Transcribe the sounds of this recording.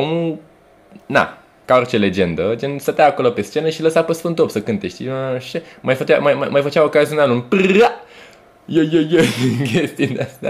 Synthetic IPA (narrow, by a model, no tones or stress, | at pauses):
omu | na̰ | kaort͡ʃele̞d͡ʒe̞nd̪əd͡ʒensət̪eaːko̞lopest͡ʃe̞nəʃiləsapəsfɨnt̪opsəkɨnt̪eʃt̪iʃemajfət͡ʃamajmamajfət͡ʃaokaziunalunpɨa | jəjəjəkʲʰest̪id̪east̪a̰